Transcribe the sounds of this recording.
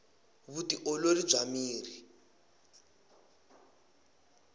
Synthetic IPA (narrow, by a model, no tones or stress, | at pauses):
βutiʔɔloli̥b͡ʐʱamiːri